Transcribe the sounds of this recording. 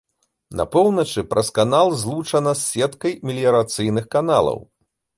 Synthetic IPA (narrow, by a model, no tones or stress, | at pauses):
nɐ̰pɔwnɐt͡ʂɨpɾɐskanalˠzlˠut͡ʂɐnɐsːʲɛt̪kɐjmʲilʲijɐɾat̪sɨjnɨxkanalˠɐ̰w